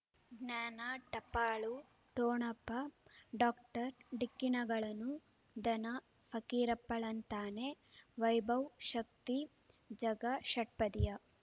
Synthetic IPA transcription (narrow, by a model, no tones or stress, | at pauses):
ɡnjaːnaʈɐpaːɭu | ʈoːɳɐpːɐɖaːk̚ʈɐɾɖikːinɐɡɐɭɐnːu | d̪ɐnɐ | fʰɐkiːɾɐpːɐɭɐnt̪aːne | ʋɐjbʱɐwʃɐk̚t̪i | d͡ʒɐɡɐʃɐʈ̚pɐd̪ijɐ